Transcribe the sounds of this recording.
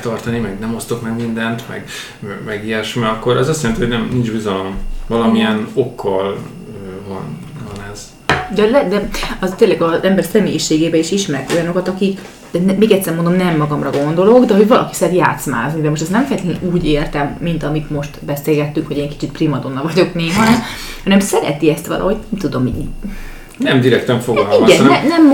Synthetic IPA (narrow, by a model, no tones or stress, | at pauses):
t̪ɒrt̪ɒnimɛɡnɛmo̞st̪o̞kmɛɡmind̪ɛnt̪mɛ̰ɡ | ɛmɛɡiɛʃmɛɒkːo̞ɾɛzɒst̪jɛlɛnt̪ihonɛmnind͡ʒbizɒlo̞mvɒlɒmiɛno̞kːɒl | øvɒn | vɒnɛz̥ | d̪ɛlɛd̪ɛɒt̪eːnlɛɡɒzɛmbɛrsɛmḛːjiʃeːɡeːbɛiʃiʃmɛɾɛko̞jɒno̞kɒt̪ɒkik | d̪ɛnɛmeːɡɛt̪sːɛrmond̪omnɛmːɒɡɒmrɒɡo̞nd̪o̞lo̞ɡd̪ɛɦo̞ɟʋɒlɒ̰ki̥sɛt̪ja̰ːt̪sma̰ːznid̪ɛmoʃt̪ɛs̬nɛɱfɛjɛt̪eɛ̰nuːɟeːrt̪ɛmːint̪ɒmit̪mo̞ʃt̪bɛseːlɡɛt̪ːyŋkho̞ɟeːŋki̥t͡ʃit̪primɒd̪o̞nːɒvɒɟo̞kneːɦɒ | hɒnɛmsɛɾɛ̰t̪iɛst̪ʋɒ̰lʔɒ̰ɦo̞ɟnɛmt̪ud̪o̞mḭ | nɛmd̪iɾɛkt̪ɛɱfoɡliɡɛnnɛnɛm